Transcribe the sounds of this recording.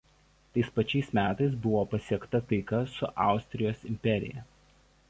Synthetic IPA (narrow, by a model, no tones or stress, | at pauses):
t̪ɐɪspɐt͡ʃʲɛɪsmʲæːt̪ɐɪs̬bʊʋoːpɐsʲiɛkt̪ɐt̪ɐɪkɐsʊʔɑˑʊsʲt̪ʲɾʲɪjoːsɪmʲpʲɛɾʲɪ̰jɛ̰